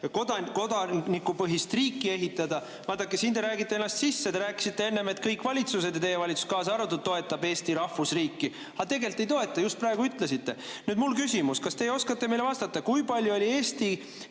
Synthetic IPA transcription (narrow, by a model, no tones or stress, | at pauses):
ko̞d̪ɑko̞d̪ɑnikːˑupɤɦist̪riːkːˑie̞ɦit̪ːˑɑd̪ɑ | vɑːt̪ːɑkːˑesind̪e̞ɾæːɡit̪ˑːeenːɑst̪sisːet̪eɾæːkːˑi̥sit̪ːe̞e̞nːe̞me̞t̪ːkɤjkːˑvɑlʲit̪sus̬e̞d̪jɑt̪e̞jevɑlʲit̪su̥skɑːsɑɑrɑt̪ːudt̪̚t̪o̞e̞t̪ːɑbe̞ːst̪iɾɑhfusriːkːi | ɑt̪e̞ɡe̞lt̪ːˑe̞jt̪o̞e̞t̪ːˑɑjust̪̚prɑe̞ɡuyt̪ːˑle̞sit̪ːe̞nyːd̪̥mulkysimuskɑst̪e̞jo̞skɑt̪ːˑemejleɑst̪ɑt̪ːɑkujpɑlʲjuo̞lʲie̞ːst̪i